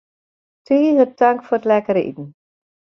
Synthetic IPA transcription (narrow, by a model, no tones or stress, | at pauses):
tʰiːzəd̥aŋkfɔːətlɛkəɾəʔḭtn̩